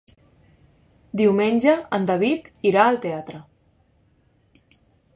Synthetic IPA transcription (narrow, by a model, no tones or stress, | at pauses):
d̪iwmenʲʒəənd̪əβ̞it̪iɾaəlˠt̪eat̪ɾə